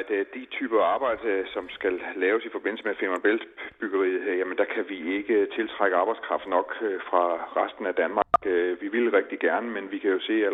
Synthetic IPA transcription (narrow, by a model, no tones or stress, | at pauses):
d̥d̥it͡sʰy̰ːb̥ɐɑ̈ːb̥ɑ̈ɪ̰d̥əsɒ̽msɡ̥ælːɛːʊsifɒ̽b̥e̝n̰l̩səmefemænb̥eld̥b̥yɡ̥ɐʁḭːð̩ˠjæmənd̥æ̈kʰæʋie̝ɡ̥ət͡sʰe̝lt͡sʰʁɑ̈ɡ̥əɑ̈ːb̥ɑ̈ɪdskʰʁɑ̈fd̥nɒ̽ɡ̥fʁɑ̈ʁasd̥n̩æd̥ænmɑɡ̥ʋiʋilʁɛɡ̥̚d̥iɡ̥æɐnəmenʋikʰæjo̝se̝̰ːæ